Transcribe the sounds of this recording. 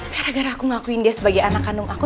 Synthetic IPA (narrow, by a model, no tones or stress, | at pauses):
kaɾaɡaɾaːkuŋakuindiasəbaɡajanakanʊŋʔaku